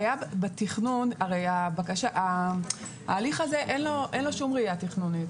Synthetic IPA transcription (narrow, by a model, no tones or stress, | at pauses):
jabbetiχnunaʁejabakaʃaʔa | a̰ːliχaze̞ʔenlo̞ʔenlo̞ʃumʁiatiχnunit